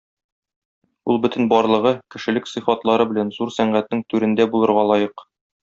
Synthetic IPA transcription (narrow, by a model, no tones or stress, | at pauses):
ulˠbɵt̪ɘ̆nbɒɾlˠɤ̆ʁɤkɘ̆ʃɘ̆lɘksɤ̆fɑt̪lˠɑɾɤbɘ̆lænzuɾsæɴɢæt̪nɘŋt̪ʉɾɘ̆nd̪æbulˠɤ̆ɾʁɑlˠɒjɤq